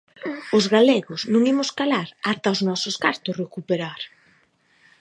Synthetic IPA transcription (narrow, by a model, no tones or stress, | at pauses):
ʊzɣaleɣʊsnũŋimʊskalaɾat̪aoznɔsʊskaɾt̪ʊsrekupeɾaɾ